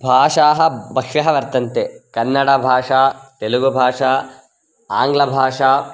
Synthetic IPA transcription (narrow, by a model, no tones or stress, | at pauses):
bʱaːʂaːɦɐ̆bɐkʂɐɦɐʋɐɾt̪ɐnt̪ekɐnːɐɽɐbʱaːʂaːt̪eluɡubʱaːʂaː | aːŋɡlɐbʱaːʂaː